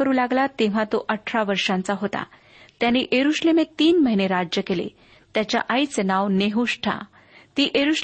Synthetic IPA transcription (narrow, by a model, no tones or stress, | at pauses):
əɾuːlaɡlat̪eʋ̤ãt̪oʔəʈʰɾaʋəɾʂãnt͡saɦot̪a̰ | t̪janiʔeɾuɕlemet̪ːiːnməɦineɾad͡ʑjəkelḛ | t̪jat͡ɕja̰ʔait͡snaʋneɦuʂʈʰa̰ | t̪iːʔeɾuɕ